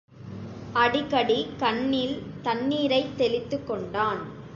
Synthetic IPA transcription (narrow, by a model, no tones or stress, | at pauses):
ɐɽɪkːɐɽikɐɳːilt̪ɐnːiːɾɐɪt̪ːɛlɪt̪ːɯkːɔɳɖaːn